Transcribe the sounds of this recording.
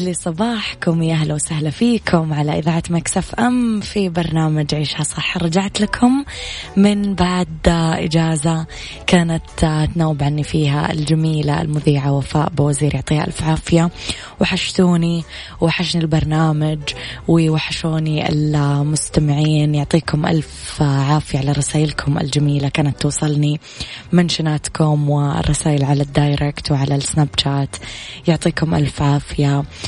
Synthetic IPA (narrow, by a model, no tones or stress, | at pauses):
lisˤɑbɑːħkʊmjʔaɦlawsahlafiːkʰʊmʕalaʔɪðaːʕat̪maksafʔamfibɑɾˤnaːmad͡ʒʕiːʃhasˤɑħːɾˤɑd͡ʒaʕt̪lakʰʊmː | ɪnbaʕd̪ʔɪd͡ʒaːza | kaːnat̪t̪nawːɪbʕanːifiːɦa̰ɪ̰ld͡ʒamiːlaɪ̰lmʊðiːʕawafa̰ːʔbɪwaziːɾjʊʕt̪ˤiːha̰ʔalfʕaːfɪja | wħaʃt̪uːni | waħaʃnilbɑɾˤnaːmad͡ʒwɪwaħaʃuːniʔɪ̰lmʊst̪amɪʕiːnjʊʕt̪ˤiːkʊmʔa̰lfʕaːfɪjaʕalaɾˤɑsaːjɪlkʰʊmɪ̰ld͡ʒamiːlakaːnat̪ːuːsˤɨlni | mɪnʃɪnaːt̪kʰʊmwɪ̰rˤːɑsaːjɪlʕalad̪ːajɾɪkt̪wɪʕalaɪsnaːbt͡ʃaːt̪jʊʕt̪ˤiːkʊmʔa̰lfʕaːfɪja